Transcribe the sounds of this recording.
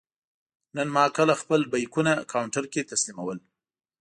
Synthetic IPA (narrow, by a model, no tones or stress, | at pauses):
nənmɑkəlaxpəlbajkunakawɳʈaɾket̪aslimawəl